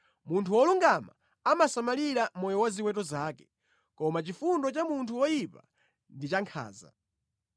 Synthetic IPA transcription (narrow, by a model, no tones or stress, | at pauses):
muntʰuwɔluŋɡama̰ | amasamaliɾamɔjɔwaziwɛtɔzaːkɛ̥ | kɔmat͡ʃifundɔt͡ʃamuntʰuwɔjipa̰ | ndit͡ʃaŋkʰa̰ːza̰